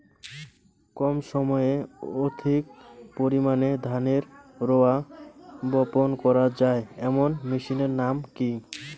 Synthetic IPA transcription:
kɔmʃɔmɔeod̪ʱik̚poɾimaned̪ʱaneɾɾoa | bɔponkɔɾad͡ʑaeɛmonmiʃineɾnamki

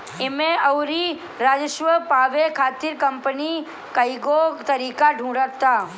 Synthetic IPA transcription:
ɪmẽɐwɾi | ɾaːd͡ʒəʃʋəpaːʋekʰaːt̪iːɾkɐmpəni | kəjɡot̪əɾiːkaɖʱũːɽət̪aː

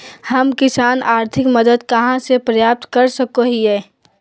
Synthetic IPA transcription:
hɐmkɪsaːnaːɾt̪ʰɪkməd̪əd̪kɐɦãsepɾɐjaːp̚t̪kɐɾsɐkoɦiɛː

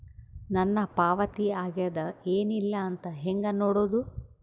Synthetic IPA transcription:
nɐnːɐpaːʋɐt̪iaːɡijɐd̪ɐeːnilːɐːnt̪ɐɦeŋɡɐnoːɽoːd̪u

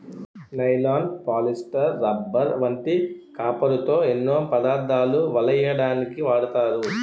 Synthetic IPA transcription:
nɐjlaːnpaːlisʈɐɾːɐbːɐɾʋɐɳʈ̪ikaːpɐɾut̪o̞ːenːoːpɐd̪aːɾd̪aːluʋɐlɐjɐɽaːnikiʋaːɽut̪aːɾu

